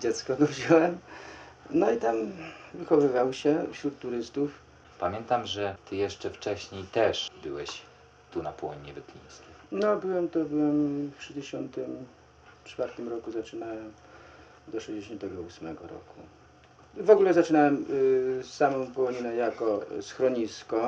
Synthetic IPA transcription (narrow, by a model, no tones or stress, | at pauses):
d͡ʑɛt̪skɔɡ̪ɔvʑawɛm | nɔit̪amvɘxɔvɘvawɕɛfɕɾut̪ːuɾɘst̪uf | pamʲjɛnt̪amʐɛt̪ɘjɛʂt͡ʂɛft͡ʂɛɕɲejt̪ɛʂbɘwɛɕ | t̪unapɔwɔɲiɲɛbɛt̪lʲḭ̃j̃skʲejnɔbɘwɛmt̪ɔbɘwɛmftʂɛjd͡ʑeɕɔnt̪ɘm | t͡ʂfaɾt̪ɘmɾɔkuzat͡ʂɘnawɛm | d̪ɔʂɛjd͡ʑeɕɔnt̪ɛɡɔusmɛɡɔɾɔ̰kʰu | vɔɡulɛzat͡ʂɘnawɛmsːamɔ̃w̃pɔwɔɲinɛjakɔsxɾɔɲiskɔ